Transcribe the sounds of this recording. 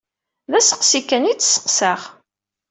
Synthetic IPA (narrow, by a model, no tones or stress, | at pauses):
ðæsə̥qsikːænit͡sːsə̥qsəχ